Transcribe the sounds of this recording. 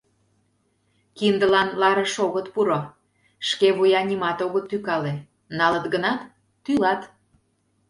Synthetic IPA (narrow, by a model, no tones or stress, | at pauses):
kind̪əlɑnlɑɾəʃoɣət̪puɾo | ʃkeβujɑnʲimɑt̪oɣət̪ːykɑle | nɑlət̪ɡənɑt̪ː | ylɑt̪